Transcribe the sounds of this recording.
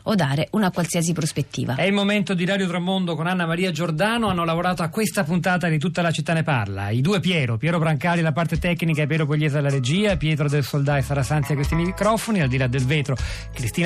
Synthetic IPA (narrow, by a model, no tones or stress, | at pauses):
od̪ːaːɾeunakwalsiːas̬ipɾospet̪ːḭːva̰ɛilmoment̪od̪iɾaːd̪jot̪ɾamːond̪okonanːamaɾiːad͡ʒord̪aːnoanːolavoɾaːt̪oakːwest̪apunt̪aːt̪̬ad̪it̪ut̪ːalat͡ʃit̪ːanːepa̰rla̰id̪uːepjɛːɾopjɛːɾobɾaŋkaːɾilapart̪et̪ɛkːnikaepɛːɾopolʎːɛːzad̪elːaɾed͡ʒiːapjɛːt̪ɾod̪elsold̪aːesaɾasant̪jakwest̪imikɾɔfoniald̪ilad̪ːelveːt̪ɾo | kɾist̪iːn